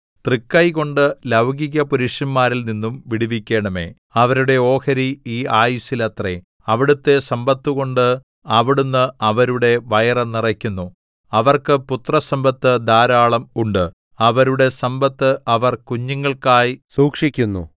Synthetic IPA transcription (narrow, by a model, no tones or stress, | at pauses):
t̪rikːɐjɣo̞ɳɖɨlɐwɡiɣɐpuɾiʂjɐmːaːɾilninːumʋiɽiʋikʲːe̞ːɳɐme̞̰ː | ɐʋɐɾuɽe̞o̞ːkɐɾiiːaːjusilɐt̪rḛ | ɐʋiɽut̪ːe̞sɐmbɐt̪ːuɣo̞ɳɖɨ | ɐʋiɽunːɨɐʋɐɾuɽe̞ʋɐjɐrɐnirɐkʲːunːu | ɐʋɐrkɨput̪rɐsɐmbɐt̪ːɨd̪aːɾaːɭɐmuɳɖɨ | ɐʋɐɾuɽe̞sɐmbɐt̪ːɨʔɐʋɐrkuɲːɐŋːɐɭkaːjsuːkʂikʲːunːṵ